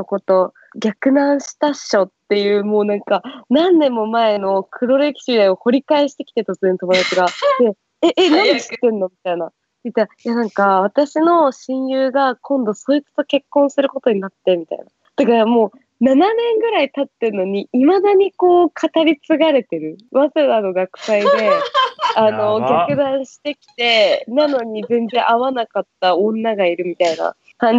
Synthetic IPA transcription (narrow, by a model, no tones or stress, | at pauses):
noko̞t̪o̞ | ɡʲakɯ̟nãɰ̃ɕi̥t̪aɕo̞t̪ːe̞jɯ̟ːmo̞ːnãŋkanãnːẽ̞mːo̞mae̞no̞kʰɯ̟ɾo̞ɾe̞kʲi̥ɕid̪aio̞ho̞ɾʲikaeɕi̥t̪e̞kʲi̥t̪et̪ot͡sɨẽnt̪o̞mod̪at͡ɕiɡad̪e̞ | eʔenãnd̪eki̥t̪ːenːo̞mʲit̪aina | t̪it̪ːajanãŋkaβ̞at̪aɕino̞ɕĩɰ̃jɯːɡakʰõ̞nd̪o̞so̞ːit͡sɨ̥t̪oke̞kːõ̞ɰ̃sɨɾɯ̟ko̞t̪o̞ɲ̟inat̪ːe̞mʲit̪a̰ḭna | t̪akaɾamo̞ː | nananẽ̞ŋɡɯ̟ɾait̪at̪ːeɯno̞ɲ̟iimad̪aɲ̟iko̞ːkʰat̪aɾʲit͡sɨɡaɾe̞t̪e̞ɾɯ̟βazɨɾɯβano̞ɡakɯ̟̥said̪e̞ano̞ɡʲakɯ̟d̪ãɰ̃ɕi̥t̪e̞kʲi̥t̪e̞nano̞ɲ̟id͡zẽ̞nd͡zzẽ̞ʔaβanakat̪ːaõ̞nːaɡaiɾɯ̟mʲit̪aina̰ | kãɲ